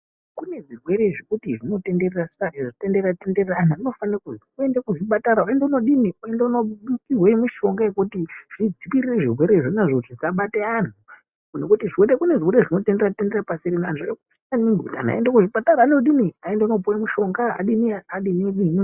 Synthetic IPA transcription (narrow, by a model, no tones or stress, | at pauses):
kune̞ʐirwe̞ɾeʐikutiʐino̞te̞nde̞rerasaiʐtenderratende̞reranauno̞fanakuziue̞ndekuʐiɓataɾauendeuno̞ɗiniue̞ndeuno̞ɓukirwemiʃo̞ŋɡajekutiʐid͡zipirire̞ʐirweɾeʐonaʐoutizaɓateanu | nokutiʐiweɾekuneʐiweɾeʐino̞tendeatende̞rapasiɾinanuʐaaku | aniŋɡiuta̰n̤a̰endekuʐiɓataɾaːneuɗiniaendeunoupoamuʃo̞ŋɡaa̰ɗiniaaɗiniɗinii